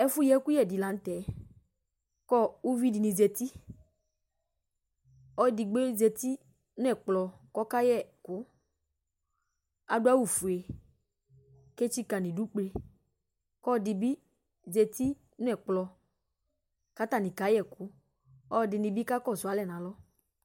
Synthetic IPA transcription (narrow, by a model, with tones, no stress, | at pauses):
ɛ˦fu˦jɛ˦ku˦jɛ˨dɪ˨la˨n̩˦t̪ɛ˨˦ | kɔ˦u˦vi˦dɪ˨nɪ̃˧zɛ˨t̪i˦ | ɔ˦dɪ˨ɡ͡be˦zɛ˧t̪i˦ | nʊ˦ɛ˦˨k͡plɔ˧kɔ˦ka˦jɛ˦˨kʊ˦ | a˦dʊ˦a˦wu˦˨fu˨e˨ | ke˦t͡ʃi˦ka˨nĩ˨du˦k͡ple˧ | kɔ˦dɪ˨bi˦ | zɛ˨t̪i˦ | nʊ˦ɛ˨k͡plɔ˧ | ka˨˦t̪a˨nɪ̃˨ka˨˦jɛ˨kʊ˨˦ | ɔ˦˨dɪ˨nɪ˨bi˦ka˦kɔ˦˨zʊ˨a˨lɛ˦˨nã˨lɔ˦